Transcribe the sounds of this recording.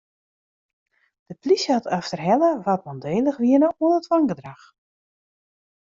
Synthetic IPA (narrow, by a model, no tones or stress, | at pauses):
d̥əplisatʰaftərɦɛləʋatmɔndeːləxʋiənəuənətʋɔŋɡədrax